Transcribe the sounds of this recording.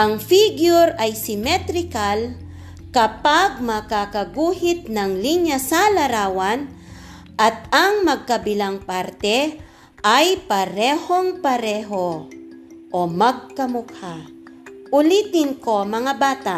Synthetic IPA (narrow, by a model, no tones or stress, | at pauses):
ʔɐŋfiɡjʊɾajsɪmɛt̪ɾɪkal | kɐpaɡ̚mɐkakɐɡuːhɪt̪̚nɐŋliɲasalɐɾaːwan | ʔɐt̪̚aŋmɐɡ̚kɐbɪlaŋpaɾt̪ɛ | ʔajpɐɾɛːhoŋpɐɾɛɦo | ʔomɐɡ̚kɐmʊk̚ha | ʔʊlit̪ɪnko̞mɐŋabaːt̪a